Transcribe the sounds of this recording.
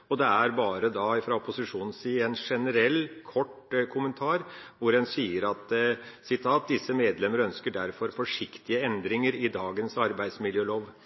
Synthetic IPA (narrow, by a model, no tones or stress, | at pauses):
ɔd̪ɛæɾbɑːɾəd̪ɑːfɾɑɔpʊsɪʂuːnn̩siːɛnʂɛnəɾɛlːkʰɔʈkʰʊmənt̪ʰɑːɾʋʊɾɛnsiːəɾɑt̪ | sɪt̪ʰɑːt̪̚d̪ɪsːəmeːd̪lɛməɾəœnskəɖæɾfɔɾfɔʂɪkt̪ɪəɛnd̪ɾɪŋəɾɪd̪ɑːɡənsɑɾbæɪd̪smɪljøːloːʋ